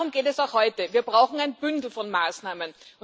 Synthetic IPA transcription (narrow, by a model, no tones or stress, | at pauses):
ʊmɡ̥eːtɛsaʊxhɔʏtəviːɐbʁaʊxŋ̩æɪnb̥ʏndl̩fɔnmaːsnaːmənʊ